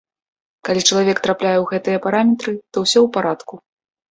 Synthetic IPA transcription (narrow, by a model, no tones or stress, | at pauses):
kalʲit͡ʂɐlˠavʲɛkt̪ɾaplʲajɛwɣɛt̪ɨjɐpaɾamʲɛt̪ɾɨt̪ɔwsʲɔwpaɾat̪ku